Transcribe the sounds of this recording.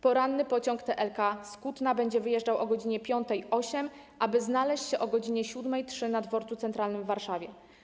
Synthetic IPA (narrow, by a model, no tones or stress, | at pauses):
pɔɾanːɘpɔt͡ɕɔŋkt̪ɛʔɛlkaskut̪nabɛɲd͡ʑɛvɘjɛʐd͡ʐawʔɔɡɔd͡ʑiɲɛpʲjɔnt̪ɛjʔɔɕɛm | ʔabɘznalɛɕt͡ɕɕɛʔɔɡɔd͡ʑiɲɛɕud̪mɛjtʂɘnad̪vɔɾt̪sut̪ɛnt̪ɾalnɘmvːaɾʂavʲjɛ